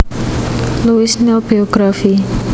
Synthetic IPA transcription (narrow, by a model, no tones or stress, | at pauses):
luisɲɔlbioɡɾafi